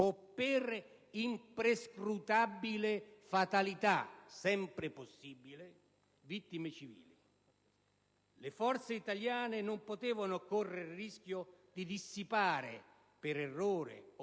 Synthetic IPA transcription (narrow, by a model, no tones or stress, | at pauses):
opːɪr | impɾeskɾut̪abːilɪfat̪alit̪asɛmpɾɪposːiːbilɪ | vit̪ːimet͡ʃivḭːli | lɪfɔrt̪seit̪aljaːnɪnʊmpot̪ɛːvanʊkorːeɾriskʲjʊd̪id̪isːipaːɾɪ̰ | pɪɾɛrːoːɾɪ̰